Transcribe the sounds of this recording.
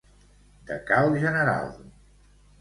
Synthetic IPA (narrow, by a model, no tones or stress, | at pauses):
d̪ə̰kawʒənəɾa̰lˠ